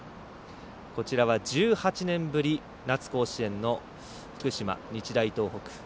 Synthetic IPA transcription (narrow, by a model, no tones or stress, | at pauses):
ko̞t͡ɕiɾaβad͡ʑɨːhat͡ɕinẽ̞mbɯ̟ɾʲi | nat͡sɨ̥ko̞ːɕiẽ̞nːo̞ | ɸɯ̟̥kɯ̟ɕima̰ɲ̟it͡ɕid̪ait̪o̞ːɦokɯ̟̥